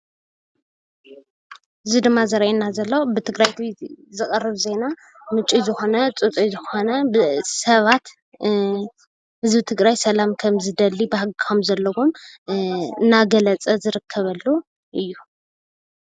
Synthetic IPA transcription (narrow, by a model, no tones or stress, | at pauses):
ɨzid̪ɨmːazɐɾɐʔinːazɐlːobɨt̪ʰɨɡɾajt̪βit̪zɨkʼɐrːɨβze̞na | mɨt͡ʃʼizɨxo̞nɐt͡sʼut͡sʼizɨxo̞nɐbɨsɐβat̪ | hɨzbɨt̪ʰɨɡɾajsɐlamkʰɐmzɨd̪ɐlːibɨhaɡxomzɐlːɐwom | naɡɐlɐt͡sʼɐzɨɾɨkʰːɐβɐlːu | ʔɨjːu